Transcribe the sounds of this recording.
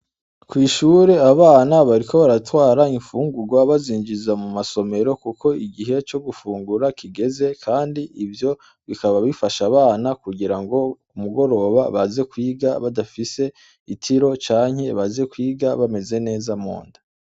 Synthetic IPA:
kwiːʃuːɾe̞aβaːnaβaɾiko̞βaɾatwaːɾaiɱfuːŋɡuɡwaβaziːɲd͡ʒizamumaso̞me̞ɾo̞kukʰo̞iɡiɦe̞t͡ʃo̞ɡufuːŋɡuɾakʰiɡe̞ze̞kʰaːndiivjo̞ | βikaβaβifaʃaβaːnakuɡiɾaŋɡo̞ | umuɡo̞ɾo̞βaβaze̞kwiːɡaβadafise̞ | itʰiɾo̞t͡ʃaːɲhe̞βaze̞kwiːɡaβame̞ze̞ne̞ːzamo̰ːndḁ

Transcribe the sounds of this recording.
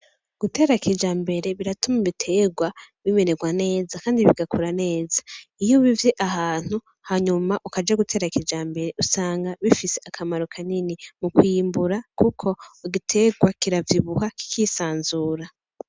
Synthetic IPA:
ɡ̥ute̞ːɾakʰid͡ʒaːmbe̞ɾe̞βiɾatumuiβitʰe̞ɡwa | βiβe̞neɡwane̞ːzakaːndiβiɡakuɾane̞ːzaijoβivje̞ʔaɦaːn̥u | haɲumaʔukad͡ʒaɡutʰe̞ːɾakʰid͡ʒaːmbe̞ɾe̞ʔusaːŋɡaβifise̞ʔakʰamaɾo̞kʰaninimukwiːmbuɾakukʰo̞iɡitʰe̞ɡwakiɾavjiβuhaki̥kiːsaːnzuːɾa

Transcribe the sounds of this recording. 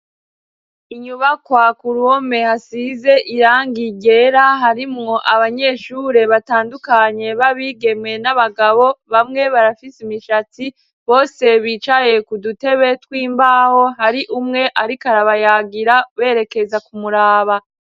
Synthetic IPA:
iɲuβakwakuɾuome̞hasize̞ʔiɾaːŋɡiɟe̞ːɾaɦaɾimŋo̞ʔaβaɲe̞ːʃuːɾe̞βataːndukaɲe̞βaβiːɡe̞mŋe̞naβaɡaβo̞βamŋe̞βaɾafisimiʃati | βo̞ːse̞βiːt͡ʃaje̞kudute̞βe̞twiːmbaːho̞ɦaɾiʔumŋe̞ʔaɾikaɾaβajaːɡiɾaβe̞ːɾe̞ke̞zakumuɾaːβa

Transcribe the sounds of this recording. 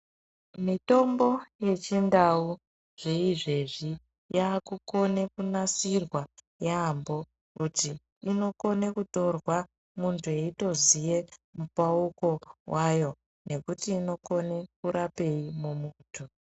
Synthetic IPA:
mito̞mbo̞je̞t͡ʃindau | ʐ̥e̞iʐe̞ʐi | jaːkuko̞ne̞kunasirwa | jambo̞ | kutiː | no̞ko̞ne̞kuto̞rwa | muntʰue̞ito̞zije̞mupauko̞wajo̞ | ne̞kutiːno̞ko̞ne̞kuɾape̞imumuːtʰu

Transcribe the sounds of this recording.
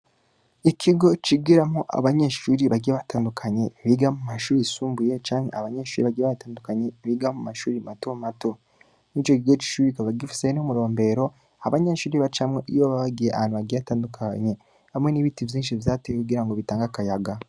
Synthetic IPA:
ikʰiɡo̞t͡ʃiɡiɾamoʔa̰βaɲe̞ʃuːɾiβaɡijeβataːndukʰaɲe̞βiɡamumaʃuːɾisuːmbujet͡ʃaːmhḛaβaɲe̞ːʃuːɾiβaɡieβataːndukaɲeβiɡamumaʃuːɾimatomato̞ | nit͡ʃo̞kiɡet͡ʃi̥ʃuːiikaβaɡifi̥senumuɾo̞ːmbe̞ɾo̞ | aβaɲeʃuːɾiβat͡ʃamŋeʔijoβaβaɡijeʔaaːnuβaɡiaataːndukʰaɲe̞ | βamŋe̞niːβitivjiːnʃivjaːtejekuɡiɾaŋɡoβitaːŋɡakajaɡa

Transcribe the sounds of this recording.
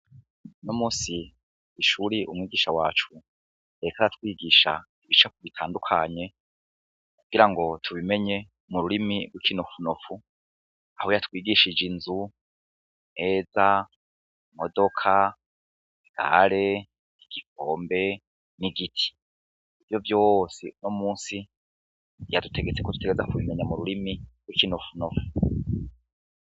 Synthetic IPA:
nomuːsi | iʃuɾiʔṵmŋiːɡiʃawaːt͡ʃu | ɾe̞kaɾatwiːɡiːʃa̰ | iβit͡ʃakuβitʰaːndukʰa̰ɲe̞ | kuɡ̥iɾaŋɡo̞tʰuβime̞ɲe̞ | muɾuɾimiɡwikʰinofunofu | ahojatwiːɡiʃid͡ʒinzu | ne̞ːza | modo̞kʰa | iɡ̥a̰ɾe̞ | iɡ̥ikoːmbe̞ | niɡitʰi̥ː | vjo̞vjo̞sinomuːnsi | jadutʰe̞ɡet͡se̞koduteɡezakuβime̞ɲamuɾuɾimiɡwikinofunofu̥

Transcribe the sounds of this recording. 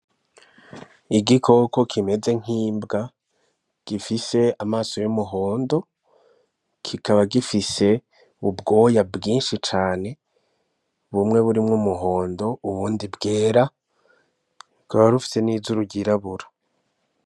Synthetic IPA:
iɡikʰo̞ko̞kʰime̞ze̞ŋ̥iːmbɡa | ɡ̥ifise̞amaːso̞jumuɦo̞ːndo̞ | kʰikaβaɡifise̞ | ubɡo̞ːjabɡiːnʃit͡ʃaːne̞ | βumŋe̞βuɾimŋumuɦo̞ːndo̞uβuːndibɡeːɾa | kaβaɾufi̥se̞niːzuɾuɟiɾaβuɾo̥

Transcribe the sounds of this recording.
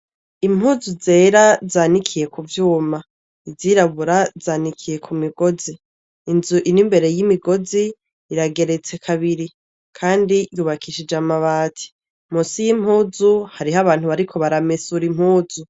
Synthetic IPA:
im̥huːzuze̞ːɾazaːnikʰije̞kuvjuːma | iziɾaβuɾazaːnikʰije̞kʰumiɡo̞ziː | nzuʔinimbe̞ɾe̞jimiɡo̞ziː | ɾaɡe̞ɾe̞t͡se̞kʰaβiɾi | kʰaːndijuːβakʰiʃid͡ʒamaβaːtʰi̥ | musijim̥huːzuhaɾiɦaβaːn̥huβaɾikʰo̞βaɾamesuɾim̥huːzu

